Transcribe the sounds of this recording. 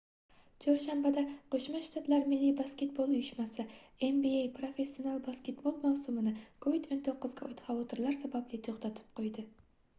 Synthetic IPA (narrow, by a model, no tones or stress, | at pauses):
t͡ʃʰoɾʃambad̪aqʰoʃmaʃt̪ʰat̪laɾmɪlːibaskʲe̞t̪̚bolˠjʊʃmasɪembiejpɾo̞fe̞sːio̞nalˠbaskʲe̞t̪bolˠmawsʊmɪnɪkʰovid̪ont̪ʰoqːɨzɡʲaʔʊjt̪ʰχɑvɒt̪ʰɪɾlˠaɾsabablɪt̪ʰoχt̪ʰat̪ʰɪ̥p̚qʰojd̪ɪ